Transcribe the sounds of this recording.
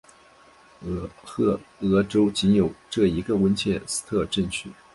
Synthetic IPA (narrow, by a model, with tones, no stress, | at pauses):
ɤ˧˥ʈ͡ʂo˥ʊt͡ɕi˧˥njo˨˩ʊʈ͡ʂɤ˥˩i˧˥ɡə˧wə˥nt͡ɕʰjɛ˥˩sɹ̩̥˧˥t̪ʰɤ˥˧ʈ͡ʂə˥˧ŋt͡ɕʰy˥˩